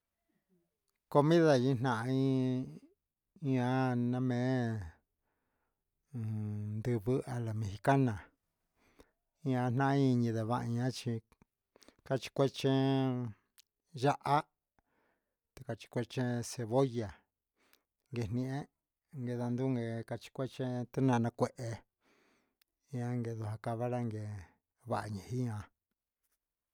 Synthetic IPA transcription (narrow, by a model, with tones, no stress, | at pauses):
ko˧mĩ˦ða˧ĩ˦n̥ã˧ʔa˧ĩ˦ | ĩ˦ã˧˦nã˧mẽ˨˦˨ | nd̪ɨ˧βɨ˦a˧la˨mẽ˧hi˧ka˦nã˨ | ĩ˦ã˧n̥nã˦ʔa˦ĩ˧ɲĩ˧ða˨βa˧ʔɲã˦t͡ʃi˧ | ka˧t͡ʃi̥˧kʷe˦t͡ʃẽ˦ | ʒa˦ʔa˦ | t̪e̥˧ka˧t͡ʃi̥˧kʷe˧t͡ʃẽ˦se˧βo˦ja˨ | ŋɡe˧˨nĩ˧ʔẽ˦ | ŋɡe˧ða˧nd̪u˦ŋɡe˧ka˧t͡ʃi̥˧kʷe˦t͡ʃẽ˦t̪u˦nã˧nã˧kʷe˨˧ʔe˧ | i˧˦ã˧ŋɡe˧ðu˧ɦa˧ka˧βa˦ɾa˦ŋɡe˨ | βa˧ʔa˧ɲẽ˨hi˦ɲã˧